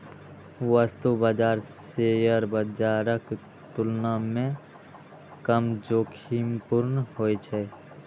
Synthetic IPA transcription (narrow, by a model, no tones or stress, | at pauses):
ʋəst̪ubəd͡ʒaːɾsejəɾbəd͡ʒaːɾək | t̪ʊlnamẽ | kəmd͡ʒoːkʰimpʊɾnhoːet͡ʃʰɛ